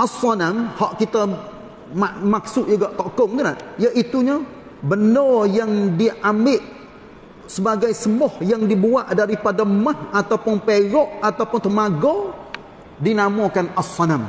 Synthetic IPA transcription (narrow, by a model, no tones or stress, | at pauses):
ʔasɔnamhɔʔkit̪a | mamaksʊʔd͡ʒuɡaʔt̪okʊŋt̪ənaʔjaʔit̪uɲa | bənɔjaŋdiʔambɪʔ | səbaɡajsəmɔhjaŋdibuaʔdaɾipadamahat̪awpʊnpeɡɔʔat̪awpʊnt̪əmaɡɔ | dinamokanasɔnam